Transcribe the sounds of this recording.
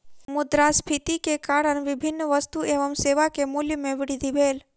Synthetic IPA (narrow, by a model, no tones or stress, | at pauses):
mʊd̪ɾaspʰit̪ikekaɽənʋɪbʱɪnːʋəst̪ueʋəmseʋakemuljəmẽʋɪɽid̪ʱiʋʱeːl